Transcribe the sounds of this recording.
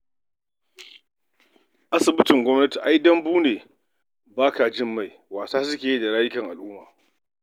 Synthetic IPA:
ʔa˦sɪ˨bɪ˦t͡ʃɪ˨ŋɡʷɔ˦mnɐ˦ti˨ʔa˦jdɐ˦mbuː˦neː˨ | baː˦ka˨d͡ʒɪ˦mːa˦˨j | waː˨saː˦s̬ʊ˦kʲeː˨ji˦da˨ɽaː˦jɪ˦kɐ˨ŋʔa̰˨lʔʊ˦ma̰ː˨

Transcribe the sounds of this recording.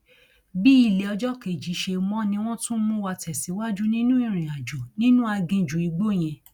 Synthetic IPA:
bi˦i˧le˨ɔ˧d͡ʒɔ˦ke˨d͡ʒi˨˦ʃe˧mɔ̃˦nĩ˧w̃ɔ̃˦tũ˦mũ˦wa˧tɛ˨si˨˦wa˦d͡ʒu˦nĩ˦nũ˦i˦˨ɾ̃ĩ˨a˨d͡ʒo˨nĩ˦nũ˦a˧ɡĩ˧d͡ʒũ˨i˨˧ɡ͡bo˦˨j̃ɛ̃˧

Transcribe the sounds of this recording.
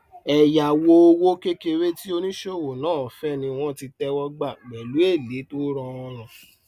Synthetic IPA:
ɛ˨ja˨wo˧o˧wo˦ke˦ke˧ɾe˦ti˦o˧nĩ˦ʃe˦˨wo˨nãː˦˨fɛ˦nĩ˧w̃ɔ̃˦ti˧tɛ˧wɔ˧ɡ͡ba˦˨ɡ͡bɛ˨lu˨˦e˦˨le˨˦to˦ɾɔ̃˧ɔ˧ɾ̃ɔ̃˨

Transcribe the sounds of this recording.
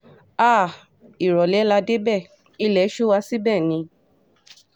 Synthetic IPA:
a˦˨ | i˨ɾɔ˨lɛ˨˦la˧de˦bɛ˦˨ | i˧lɛ˨˦ʃu˦wa˧si˦bɛ˦˨nĩ˧

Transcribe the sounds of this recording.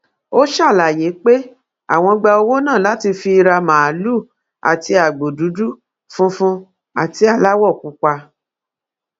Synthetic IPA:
o˦ʃa˦˨la˨je˨˦k͡pe˦ | a̰˨w̃ɔ̃˧ɡ͡ba˧o˧wo˦nãː˦˨la˨˦ti˧fi˧ɾa˧mã˨a˨lu˦˨ | a̰˨ti˧a˨ɡ͡bo˨du˨˦du˦ | fũ˦˧fũ˧ | a˨ti˧a˦˨la˨˦wɔ˦˨ku˨˧ka˧

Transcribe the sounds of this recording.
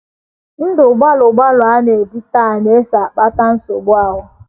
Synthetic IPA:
n̩˦dʊ˨ɡ͡ba˦lʊ˨ɡ͡ba˦lʊ˨a˦ne˨e˨bi˦ta˦˨ne˦e˦sa˨k͡pa˦ta˦n̩˦sʊ̰˨ɡ͡bʊ˦a˦ɦʊ˦

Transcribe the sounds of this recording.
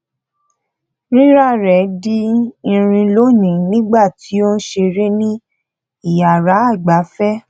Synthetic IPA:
ɾi˦ɾa˦˨ɾɛ˨˦di˦ĩ˧ɾ̃ĩ˧lo˦nĩ˨nĩ˦ɡ͡ba˦˨ti˨˦o˦n̩˦ʃe˧ɾe˦nĩ˦ | i˦˨ja˨ɾa˨˦a˦˨ɡ͡ba˨˦fɛ˦

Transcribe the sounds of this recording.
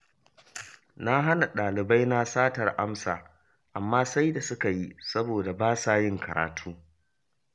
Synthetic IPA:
na˦ɦa˦na˨ɗaː˨lɪ˨ba˦jna˦saː˦tɐ˨rʔa˦msa̰ː˨ | ʔa˨mːaː˦sa˦jda˨sʊ˦ka˨ji˦sɐ˦boː˨da˨baː˦saː˨jɪ˦ŋkʰɐ˨ɾa̰ː˨tʰuː˦

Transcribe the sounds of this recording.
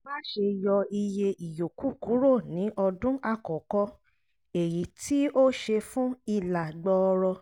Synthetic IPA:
ba˦ʃe˧jɔ˧i˧je˧i˨jo˨ku˦˨ku˨˦ɾo˦˨nĩ˨˦ʔɔ˧dũ˦ʔa˦˨kɔ̃˨kɔ̃˧ | e˨ji˨˦ti˦o˦ʃe˧fũ˦i˧˨la˨ɡ͡bɔ˧ɾɔ˧

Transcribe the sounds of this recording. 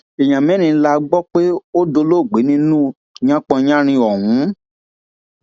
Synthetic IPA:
e˨j̃ã˨mɛ̃˨˦nĩ˧˦la˧ɡ͡bɔ˦k͡pe˦o˦do˧lo˦˨ɡ͡be˨˦nĩ˦nũ˦ | ɲã˦k͡pɔ̃˧jã˦ɾ̃ĩ˧ɔ˨ɦũ˨˦

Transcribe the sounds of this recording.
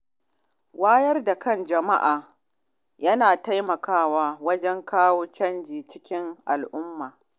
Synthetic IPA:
waː˦jɐ˦rda˨kɐ˦nd͡ʒɐ˨ma˦ʔaː˨ | jɐ˦naː˨ta˦jmɐ˨kaː˦˨waː˦wɐ˦d͡ʒɛ˦ŋkaː˦woː˦t͡ʃɐ˦nd͡ʒiː˨t͡ʃɪ˦kʲɪ˦ŋʔa̰˨lʔʊ˦mːaː˨

